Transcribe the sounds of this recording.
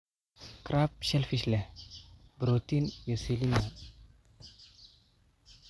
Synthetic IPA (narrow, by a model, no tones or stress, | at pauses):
kɾap̚ʃɛlfiʃlɛ | bɾot̪injoselina